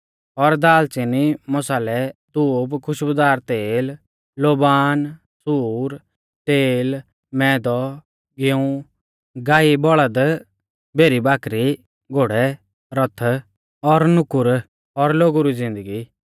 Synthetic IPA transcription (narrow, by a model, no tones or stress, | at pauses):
ɔɾd̪aːlt͡ʃɪnimɔsaːlɛt̪uːbkʰʊʃbʊd̪aːɾt̪eːlː | oːbaːn | suːɾ | t̪eːl | mɛːd̪ɔ | ɡeũ | ɡaːibɔɭəd̪ | bʱeːɾibaːkʰɾi | ɡʱoːɽɛ | ɾɔt̪ʰ | ɔɾnʊkʊɾ | ɔɾloːɡuɾid͡zɪ̃nd̪əɡi